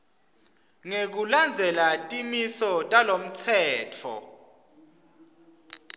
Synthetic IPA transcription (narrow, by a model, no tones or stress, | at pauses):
ŋek̬uland͡zʱɛlatʼimisɔtʼalom̩t͡sʰɛːtʰɔ̰